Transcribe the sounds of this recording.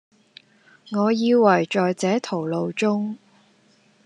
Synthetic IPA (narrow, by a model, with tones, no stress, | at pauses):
ŋɔː˨˧jiː˧wɐ˨˩jt͡sɔː˨jt͡sɛː˨˥t̪ʰo˨˩wlo˨˧wt͡sʊ˥ŋ